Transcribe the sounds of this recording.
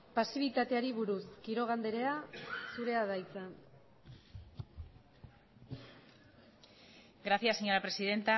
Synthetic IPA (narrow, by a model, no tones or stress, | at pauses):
pasiβ̞it̪at̪eaɾiβuɾuskiɾo̞ɣ̞and̪e̞ɾe̞asuɾe̞aðajt͡san | ɡɾaθjasːeɲoɾapɾe̞siðe̞nt̪a